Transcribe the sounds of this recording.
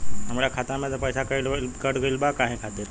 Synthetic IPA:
ɦəmɽjakʰat̪amẽt̪əpəjsakəlkəɽɡəilbakaɦẽkʰat̪et̪

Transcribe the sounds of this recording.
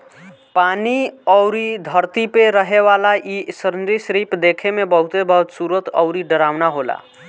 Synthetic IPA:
paːniɔʊɾid̪ʱəɾt̪ipeɾəɦeʋalaʔisəɾnɾisɾipd̪ekʰemẽbəɦʊt̪ebəɦut̪suɾət̪ə̰ʊɾiɖəɾaːʋnaɦola̰

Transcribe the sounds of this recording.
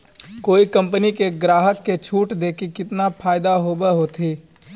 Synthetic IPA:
koːikɐ̃mpənikeɡɾaːɦəkːet͡ʃʰuːʈd̪eːkikɪt̪napʰaːɪd̪aɦoːbeɦot̪ʰiː

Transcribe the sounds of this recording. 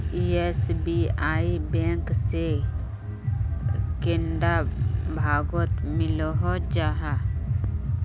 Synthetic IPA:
iesbiaːibẽːŋkse | kenɖabʱaːɡot̪mɪloɦod͡ʒaːɦa

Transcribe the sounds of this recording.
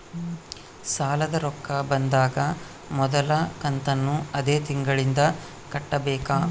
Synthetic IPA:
saːlɐd̪ɐɾɔkːɐbɐnd̪aːɡɐ | mɔd̪ɐlɐkɐnt̪ɐnːuɐd̪eːt̪iŋɡɐɭind̪ɐ | kɐʈːɐbɛːkaː

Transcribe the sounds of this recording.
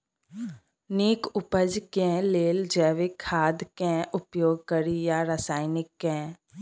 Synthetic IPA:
niːkʊpəd͡ʒkɛ̃ːleːld͡ʒɛːʋekʰaːd̪kɛ̃ːʔʊpjoːɡ̚kəɾijaɾəsaːɪnɪkːɛ̃ː

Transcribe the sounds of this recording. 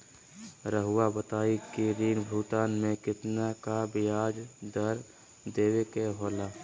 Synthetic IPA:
ɾəɦʊabət̪aːikiɾiːnbʱuːt̪aːnmẽkɪt̪nakabɪjaːd͡ʒd̪əɾ | d̪eːwekeɦoːlaː

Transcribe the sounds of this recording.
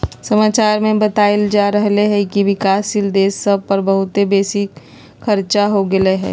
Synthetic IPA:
sɐmaːt͡ʃaːɾmẽbɐt̪aːeld͡ʒaːɾəɦleɦɛkiʋɪkaːsɪld̪eːsːəb̚pɐɾbəɦʊt̪ebeːsɪk | xʰɐɾt͡ʃaɦoɡɐleɦɛ̰ː

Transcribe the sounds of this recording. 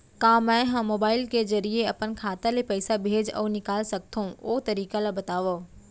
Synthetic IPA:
kãːmɛ̃ɦãmoːbaːɪlkezɐɾieɐpənkʰaːt̪ãlepɐːsabʱeːd͡ʒɔ̰ːnɪkaːlsɐk̚t̪ʰũoːt̪ɐɾiːkalabɐt̪aːʋoː

